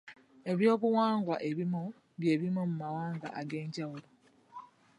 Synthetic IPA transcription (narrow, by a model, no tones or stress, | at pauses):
e̞βjo̞ːkuwaːŋɡwaʔe̞βimo | βje̞ːβimomumawaːŋɡa̰ʔaɡe̞ːɲɟawuɾo